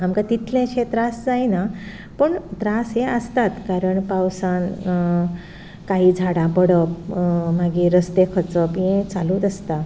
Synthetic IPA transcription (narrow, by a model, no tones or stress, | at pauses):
amkãt̪it̪ʰlẽɕet̪ɾasd͡zajna | pəɳt̪ɾasɦeəst̪at̪kaɾəɳpawsan | kaɦiːd͡zʱaɽãpəɽəp̚maɡiɾəst̪ekʰət͡səpjẽt͡saluːd̪əst̪a